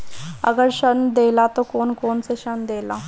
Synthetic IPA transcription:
ə̰ɡəɾɕənd̪elat̪okoːnkoːnseɕənd̪ela̰

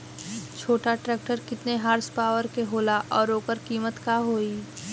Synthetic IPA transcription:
t͡ʃʰoːʈaʈɾɛːk̚ʈəɾkɪt̪neɦaːɾspaːʋəɾkeɦoːlaʔɔːɾoːkəɾkiːmət̪kaɦoːiː

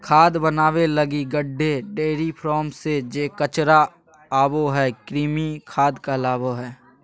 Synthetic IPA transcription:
kʰaːd̪bənaːwelɐɡiɡəɖʱːeɖeːɾipʰɾɔːmsed͡ʒeːkət͡ʃɾa | aːboɦɛːkɾiːmikʰaːd̪kalaːboɦɛː

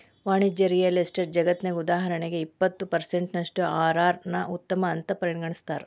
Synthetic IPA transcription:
ʋaːɳid͡ʒɐɾijɐlisʈɐɾd͡ʒɐɡɐt̪nɐɡud̪aːɦɐɾɐɳeɡe̞ipːɐt̪ːupɐɾseɳʈnɐʂʈuaːɾaːɾnɐʔut̪ːɐmɐːnt̪ɐpɐɾiɳɡɐɳist̪aːɾe

